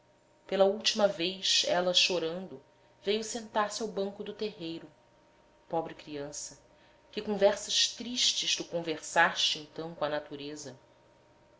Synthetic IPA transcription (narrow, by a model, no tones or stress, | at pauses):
pelɐuwt͡ʃimɐvejʃɛlɐʃoɾɐ̃nd̪ʊ | vejʊsẽnt̪aɾsɪawbɐ̃ŋkʊd̪ʊt̪eɦejɾʊ | pɔbɾɪkɾiɐ̃sɐ | kɪkõvɛɾsɐʃt̪ɾiʃt͡ʃɪʃt̪ukõveɾsaʃt͡ʃɪẽnt̪ɐ̃w̃kõɐnat̪uɾezɐ